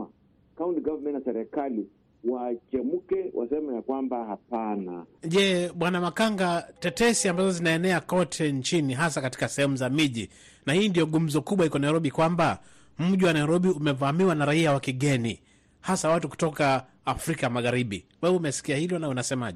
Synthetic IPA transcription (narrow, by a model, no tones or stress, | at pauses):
kauntiɡavmɛntasɛɾɛkali | wat͡ʃɛmukɛwʔa̰sɛmajakwambahapanaʄɛɓwanamakaŋɡatɛtɛsiambazɔzinaɛnɛakɔtʰɛnt͡ʃiniɦasakati̥kasɛhɛmuzamiʄi | nahiːndijɔɠum̩zɔkuɓwahikɔnaiɾɔɓikwamba | m̩ʄiwanaiɾɔɓiumɛvamiwanaɾaiawakiɠɛni | hasawatuku̥tɔkaː | fɾikamaɣaɾiɓiwɛɓumɛsi̥kiahilɔnaunasɛmaʄɛ